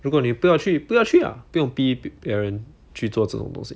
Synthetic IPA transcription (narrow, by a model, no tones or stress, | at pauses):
ɻukwɔnipujɑʊt͡ɕʰypujɑt͡ɕʰya̰pujʊŋpipjɛɻən | t͡ɕʰyt͡swɔʈ͡ʂɤ̰ʈ͡ʂʊ̰ŋt̪ʊ̰ŋɕḭ